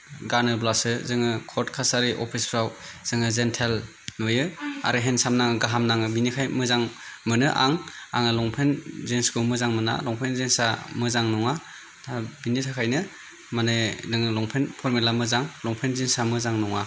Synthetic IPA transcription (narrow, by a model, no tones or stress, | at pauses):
ɡaɾnɯblasɯzɯŋɯkʰɔɾtkʰasaɾiʔopʰispʰɾawz̥ɯŋɯzentʰel | nojɯa̰ɾɯɦensamnaŋɯɡaɦamnaŋɯbinikʰajmɯzaŋ | mɯnɯʔa̰ŋa̰ŋɯlɔŋpʰenzenskomɯzaŋmɯna̰lɔŋpʰenzensamɯzaŋnɔŋa | tʰabinitʰakʰajnɯ | manɯdɯŋɯlɔŋpʰenpʰɔɾmelamɯzaŋlɔŋpʰenzinsamɯzaŋnɔŋa